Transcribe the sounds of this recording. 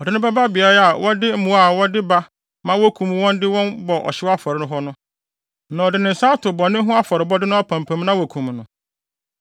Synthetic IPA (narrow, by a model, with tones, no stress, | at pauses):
ɔ˨dɪ˨nʊ̃˦bɛ˦ba˦bi˨a˦ɾa˦a˨wɔ˦dɪ˦m̩˦mũ˨a˨wɔ˦dɪ˦ba˦ | mã˦wɔ˦kʰũ˨m˨wɔ̃˦ndɪ˦wɔ̃˦nbɔ˨ʔɔ̰˨ɕɪ˦wa˦fɔ˨ɾɪ˨˦nʊ̃˦ɦɔ˦nʊ̃˦ | nã˨ɔ˨dɪ˨nɪ̃˨n̩˨saː˦tʰʊ˨bɔ˨nɪ̃˦ɦʊ̃˦a˦fɔ˨ɾɪ˨bɔ˦dɪ˦nʊ̃˦a˦pʰã˨mpʰã˨m˦nã˦wɔ˨kʰũ˨mnʊ̃˨